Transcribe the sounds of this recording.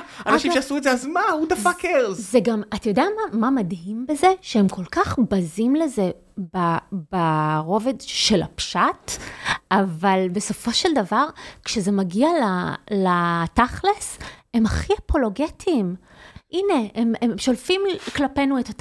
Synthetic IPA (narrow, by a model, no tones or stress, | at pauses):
anaʃimʃeasuetzeazmaud̪afakeʁzzeɡamat̪ajod̪eamamamadɦimbezeʃeemkʰo̞lkaχbazimleze̞ | babaʁo̞ve̞dʃe̞la̰pʃatavalbe̞so̞fo̞ʃeldavaʁkʃezemaɡialalataχlese̞maχiapo̞lo̞ɡetʰiːm | ʔine̞emeʃo̞lfimklape̞nuetat